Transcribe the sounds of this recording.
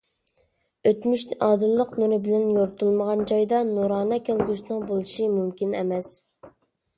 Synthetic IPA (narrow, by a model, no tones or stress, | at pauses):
øt̪myʃɑːd̪ɨlˠːəqnuɾɪbɪlɛnjoɾt̪ʰulˠməʁɑnd͡ʒɑjd̪ɑnuɾɑːnɑkʲʰælɡʲysɪnɪŋbolˠɨʃimymkʲinḛmɛs